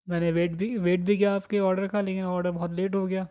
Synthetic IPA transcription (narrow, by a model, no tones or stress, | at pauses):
mɛːneʋeːʈbʱiʋeːʈ̚bʱikijaːpkeɔːɾɖəɾkʰaleːkɪnɔːɾɖəɾbɔɦːɔt̪leːʈɦoɡɐjaː